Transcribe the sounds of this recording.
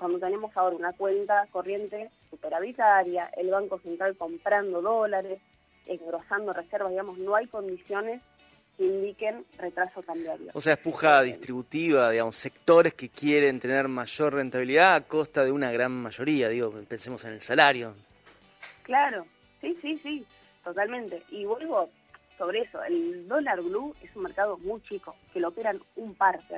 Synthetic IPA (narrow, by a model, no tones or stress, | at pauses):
kwand̪ot̪e̞nemo̞saoɾaunakwent̪ako̞rje̞nt̪e̞supeɾaβit̪aɾjaʔelβaŋko̞se̞nt̪ɾalko̞mpɾand̪o̞ðo̞laɾes | eŋɡɾo̞sand̪orʔeseɾβazðiɣamo̞sno̞ajko̞nd̪isjo̞ne̞s | keind̪ike̞nret̪ɾaso̞kamb̪jaɾjo̰oseaehpuxaðist̪ɾiβut̪iβ̞aðiɣamo̞se̞k̚t̪o̞ɾeske̞kjeɾent̪e̞neɾmaʒo̞rrent̪aβiliðaako̞st̪aðeunaɣɾanmaʒo̞ɾiaðiɣo̞pensemo̞senelsalaɾjo̞ | klaɾo̞ | sisisi | t̪o̞t̪almẽnt̪e̞ʔiβwe̞lβo̞ | so̞βɾeeso̞̰eld̪o̞laɾβluesunmeɾkað̞o̞mujt͡ʃiko̞ke̞lopeɾanumpaɾt̪e